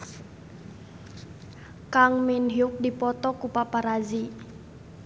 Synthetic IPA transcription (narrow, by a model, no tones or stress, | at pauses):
kaŋminɦiuk̚dipɔt̪ɔkupapaɾazi